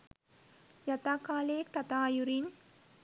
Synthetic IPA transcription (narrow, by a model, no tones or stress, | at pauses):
jat̪aːkaːleːk̚t̪ɐt̪aːjuɾin